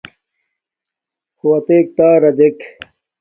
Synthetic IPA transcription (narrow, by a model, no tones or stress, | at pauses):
huwɐt̪eːk̚t̪aːɾɐd̪ek